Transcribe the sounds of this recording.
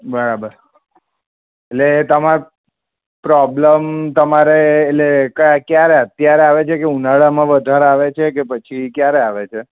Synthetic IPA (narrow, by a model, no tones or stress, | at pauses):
bəɾabəɾ | etlet̪əmaɾ | pɾɔbləmt̪əmaɾeːtlekəkjaɾeət̪jaɾeaʋet͡ʃʰekeunaɭamãʋəd̪ʱaɾeaʋet͡ʃʰekepət͡ʃʰikjaɾeaʋet͡ʃʰe